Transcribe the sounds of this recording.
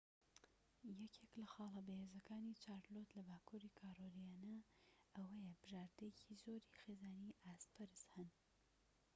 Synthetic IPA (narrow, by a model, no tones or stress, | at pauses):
jɛcʰeːklɐxɑːlˠɐbɐheːzɐkaːnit͡ʃʰaːɾlot̪lɐbaːkʰuːɾikʰaːɾolijaːnɐʔɐwɐjɛbɨʒaːɾd̪ejecʰizoːɾixeːzaːniʔaːspʰɐɾɨshɨn